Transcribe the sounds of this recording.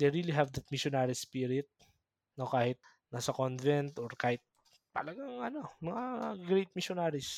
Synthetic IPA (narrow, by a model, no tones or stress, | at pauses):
d̪ejɹiliɦɛvd̪ɐt̪̚mɪʃonaɾispiɾɪɪt̪̚ | nokaːhɪt̪̚ | naːsɐkonvɛnt̪ʔoɹkaːhɪt̪̚ | t̪ɐ̰lɐɡaŋɐno̞mɐŋaɡɾejt̪̚mɪʃonaɾɪs